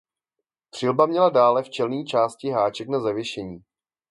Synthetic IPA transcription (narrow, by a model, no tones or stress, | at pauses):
p̪r̝̥ɪlbamɲɛladaːlɛft͡ʃɛlniːt͡ʃaːscɪɦaːt͡ʃɛknazavjɛʃɛɲiː